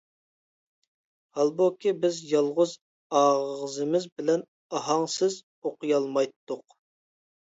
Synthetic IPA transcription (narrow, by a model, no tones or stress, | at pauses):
hɑlˠbokʲʰibɪzjɑlˠʁʊz | ɑʁəzɨmɪzbɪlɛn | ɑɦɑŋsɪz | oqʰɨjɑlˠmɑjt̪ʰːʊq